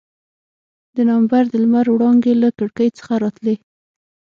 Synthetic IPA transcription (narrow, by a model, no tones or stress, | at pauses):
d̪̥ənambaɾd̪əlmaɾwɽɑŋɡelakəɽkəjt͡sə̥xaɾɑt̪le